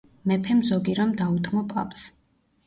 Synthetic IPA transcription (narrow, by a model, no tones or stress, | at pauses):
mɛpʰɛmzɔɡiɾɔmd̪aut̪ʰmɔpʼa̰pʼs